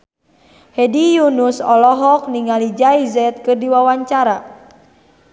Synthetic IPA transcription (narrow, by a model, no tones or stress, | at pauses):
hɛdijunusɔlɔɦɔk̚niŋalid͡ʒaizɛt̪̚kɨrdiwawaɲt͡ʃaɾa